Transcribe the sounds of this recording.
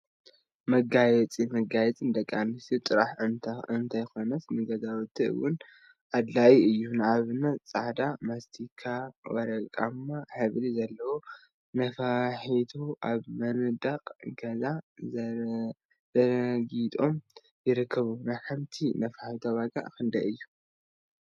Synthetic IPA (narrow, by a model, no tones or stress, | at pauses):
mɐɡajɛt͡sʼimɐɡajɛt͡sʼɨnd̪ɐkʼːanɨsit̪ʼɨɾaħɨnʰɨnt̪ʰajxo̞nɐsnɨɡɐzawɨt̪ʰːiɨ̰wʊn | ʔad̪laʔiɨjːunaβnat͡sʼaʕd̪amast̪ʰikʰawɐɾɐkʼamːaħɨβlizɐlːɐwo | nɐfaħit̪ʰoʔaβmɐnɨd̪aqʼɡɐza | zɐɾɡit̪ʼo̞m | jɪɾɨkʰːɐβunajħɨmt̪ʰinɐfaħit̪ʰoβaɡa̰ʔkʰɨnd̪ɐʔɨjːu